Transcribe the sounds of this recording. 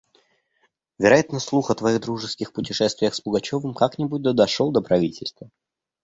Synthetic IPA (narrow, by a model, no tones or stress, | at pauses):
vʲɪɾɐjat̪nəslˠuxət̪vɐiɣd̪ɾuʐɨskʲɪxpʊtʲɪʂɛst̪vʲɪjəxsbʊɡɐt͡ɕo̞vəmkaknʲɪbut̚ʲd̪əd̪ɐʂolˠd̪əpɾɐvʲitʲɪlʲst̪və